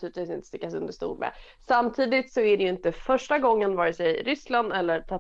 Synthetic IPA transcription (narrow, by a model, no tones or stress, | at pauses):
t̪ʉːɾɪt̪viːsɪnt̪ə̥st̪ɪkːasɵnd̪əʂt̪ṵːlmɛ̰ | samt̪ʰiːd̪ɪt̪sɔæɖɛjɵɪnt̪əfœʂʈaɡɔŋːənvɑːɾɪsɛjɾʏsland̪ɛlːəɾt̪ʰa